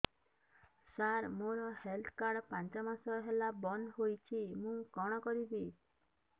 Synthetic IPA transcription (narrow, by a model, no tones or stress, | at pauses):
saɾmoɾɔhelt̪ʰkaɾɽpant͡ʃɔmasɔɦelabɔnɦojt͡ʃʰimũkɔɽ̃ɔkɔɾibi